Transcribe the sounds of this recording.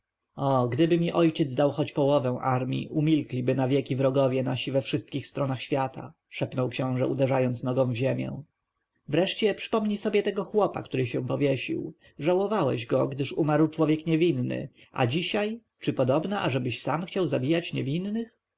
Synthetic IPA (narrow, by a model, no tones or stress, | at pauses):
ɔɡd̪ɘbɘmʲiʔɔjt͡ɕɛd̪zd̪awxɔt͡ɕpɔwɔvɛ̃ʔaɾmʲḭʔumʲilklʲibɘnavʲjɛkʲivɾɔɡɔvʲjɛnaɕivɛfʂɘst̪̚kʲixst̪ɾɔnaxɕfʲjat̪ʰa̰ | ʂɛpnɔwkɕɔ̃w̃ʐɛud̪ɛʐajɔnt̪snɔɡɔ̃w̃vʑemʲjɛ̰̃ | vɾɛʂt͡ɕɛpʂɘ̥pɔmɲisɔbʲjɛt̪ɛɡɔxwɔpa̰kt̪uɾɘɕɛ̃w̃pɔvʲjeɕḭw | ʐawɔvawɛ̰ʑɡɔɡd̪ɘʂumaɾwt͡ʂwɔvʲjɛkɲɛvʲinːɘ̰ | a̰d͡ʑiɕaj | t͡ʂɘpɔd̪ɔbnaʔaʐɛbɘɕsamxt͡ɕawzabʲijat͡ɕɲɛvʲinːɘx